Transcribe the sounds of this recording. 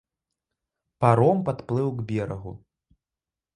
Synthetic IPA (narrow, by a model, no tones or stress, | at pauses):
paɾɔmpat̪plˠɨwɡbʲɛɾɐɣṵ